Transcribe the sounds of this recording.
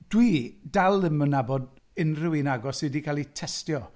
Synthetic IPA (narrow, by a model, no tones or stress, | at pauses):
d̥widalˠəmənabɔd | ɪnrɪwinaɡɔsɨdikʰalˠitʰɛstjɔ